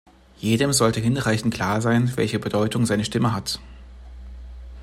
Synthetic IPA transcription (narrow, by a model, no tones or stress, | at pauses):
jeːdəmzɔltəɦɪnʁaɪçn̩tkʰl̥aːɐzaɪnvɛ̰lçəbədɔʏtʊŋzaɪnəʃtɪməɦat